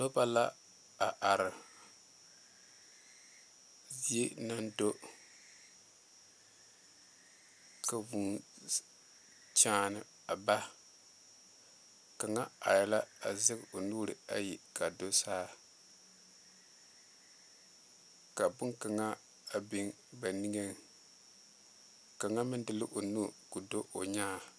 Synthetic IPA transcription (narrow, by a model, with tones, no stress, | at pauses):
lo˦ba˦la˦ | a˨ʔa˨ɾɨ˨ | zi˦e˦na˦ndo˦ | ka˨vu˨˦ | t͡ʃaː˦nɨ˨ | a˨ba˦ | ka˨ŋa˦a̰˨jɛ˨la˦a˨zɨ˦ɡo˨nu˦ɾɨ̰˨a˦ji˨ka˨do˦saː˦ | ka˨bʊ˦ŋka˨ŋa˦ | a˨bi˦ŋ | ba˨ni˦ŋe˦ŋ | ka˨ŋa˦mɨ˦n˦dɨ˦lɨ˦ʔo˨nu˦ku˨do˦ʔo̰˨ɲaː˦